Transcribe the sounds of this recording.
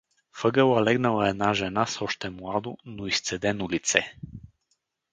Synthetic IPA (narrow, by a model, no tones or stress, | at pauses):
fɤɡəlˠalɛɡnalˠaɛd̪naʒɛnasɔʃt̪ɛmlˠad̪ʊnoist̪sɛd̪ɛnulit̪sɛ